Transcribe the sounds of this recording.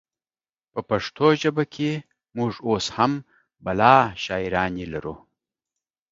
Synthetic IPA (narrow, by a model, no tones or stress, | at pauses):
pəpaʂt̪ʰoʒəbakʰe | muʐosham | balɑːʃɑːiɾɑːnelaɾṵ